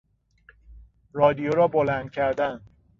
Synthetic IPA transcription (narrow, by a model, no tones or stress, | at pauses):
rɒːd̪ijoɾɒːbolænd̪̥̚cʲʰæɾd̪æn